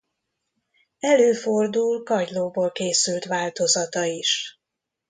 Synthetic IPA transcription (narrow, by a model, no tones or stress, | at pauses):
ɛløːfo̞rd̪ulkɒɟloːboːlkeːsylt̪ʋaːlt̪o̞zɒt̪ɒiʃ